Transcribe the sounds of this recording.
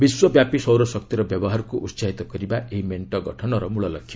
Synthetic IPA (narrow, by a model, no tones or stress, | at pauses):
biswʌbjapisʌwɾʌsʌk̚t̪iɾʌbjʌbɔɦarkoʔutsaɦit̪ɔkʌɾibaʔeɦimeɳʈʌɡʌʈʰʌnʌɾʌmuɭʌlʌkʰːjo